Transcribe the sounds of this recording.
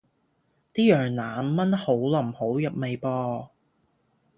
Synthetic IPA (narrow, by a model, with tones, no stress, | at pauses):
t̪iː˥jœː˨˩ŋnaː˨nmɐ˥nho˨˥wlɐ˨˩mho˨˥wjɐ˨p̚me˨jpɔː˧